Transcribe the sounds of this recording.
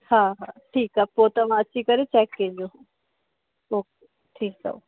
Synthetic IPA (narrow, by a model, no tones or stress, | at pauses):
haːɦaːʈʰiːkapoːt̪ɐʋ̤ãɐt͡ɕʰikɐɾet͡ɕɛːkːẽːd͡ʑo | oːk | ʈʰiːksɐ̰o